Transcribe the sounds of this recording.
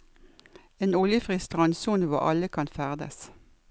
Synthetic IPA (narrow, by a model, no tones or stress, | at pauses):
eːnʊljəfʁɪst̪ʁɑnsuːnəʋɔ̰ʔɑ̰ləkʰɑnfæʁd̪ə̰s